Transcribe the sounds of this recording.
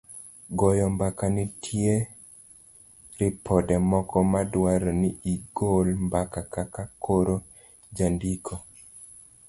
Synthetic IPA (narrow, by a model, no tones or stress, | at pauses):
ɡɔjɔmbakanɪtʰje | ɾɪpʰɔdɛmɔkɔmadwaɾɔniiɡolmbakakakakʰoɾo | d͡ʒandikʰo